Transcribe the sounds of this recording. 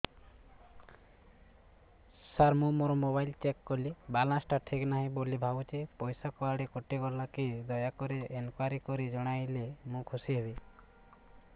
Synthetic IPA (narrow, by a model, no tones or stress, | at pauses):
saɾmũmoɾɔmobajlt͡ʃekːɔlibalãsʈaʈʰiknaɦĩbolibʱabut͡ʃʰipɔjsakɔaɽekɔʈiɡɔɾlakid̪ɔjakɔɾiʔenkwaɾikɔɾid͡ʒɔɽ̃ajlemũkʰusiɦebi